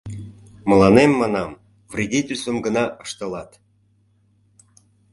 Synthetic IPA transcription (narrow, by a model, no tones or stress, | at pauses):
mə̆lɑnemːɑnɑm | vrʲid̪ʲit̪ʲysəmɡənɑʔəʃt̪ə̆lɑt̪